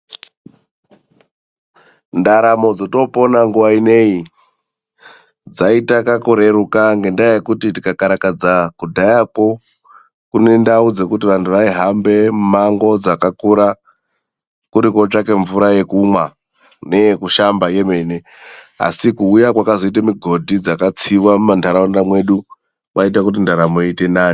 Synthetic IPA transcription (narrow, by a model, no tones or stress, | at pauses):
ndaɾamo̞d͡zoto̞po̞naŋɡuʋaine̞i | d͡zaitakakoɾe̞ɾukaŋɡe̞ndaajekutitikakaɾakad͡zakudʱajapo̞ | kune̞ndaud͡ze̞kutiʋantʰuʋaiɦambe̞maŋɡo̞d͡zakakuɾa | kuɾiko̞t͡ʂake̞ɱvuɾaje̞kumwa | ne̞kuʃambaje̞me̞ne | a̰sikuːjakwakazo̞it̬amiɡʱo̞dʱid͡zakat͡siwamumandʰʱaɾaundamwe̞ɗu | mait̬akut̬indaɾamoite̞naːni